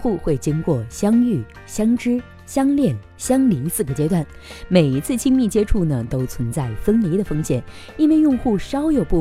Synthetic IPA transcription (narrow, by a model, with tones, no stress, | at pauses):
xu˥˧xwe˥˩ɪt͡ɕi˥ŋkwɔ˥˩ɕjɑ˥ŋy˥˩ | ɕjɑ˥ŋʈ͡ʂɻ̩˥ | ɕjɑ˥ŋljɛ˥˩n | ɕjɑ˥ŋli˧˥sɹ̩˥˩ɡə˩t͡ɕjɛ˥t̪wa˥˩n | me˨˩ɪi˧˥t͡sʰɹ̩˥˩t͡ɕʰi˥ŋmi˥˩t͡ɕjɛ˥ʈ͡ʂʰu˥˩nə˩t̪o˥ʊt͡sʰwə˧˥nt͡sa˥˩ɪfə˥nli˧˥d̪ə˨fɤ˥ŋɕjɛ˨˩˦n | i˥nwe˥˧ɪjʊ˥˧ŋxu˥˩ʂɑ˥ʊjo˨˩ʊpu˥˩